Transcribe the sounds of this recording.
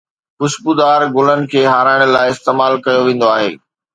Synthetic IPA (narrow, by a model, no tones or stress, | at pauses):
kʊʃbud̪aːɾɡʊlənɪ̆kʰeːɦaːɾaːɪɽ̃laːɪɪst̪eːmaːlkɐjoʋẽːnd̪oaːɦḛː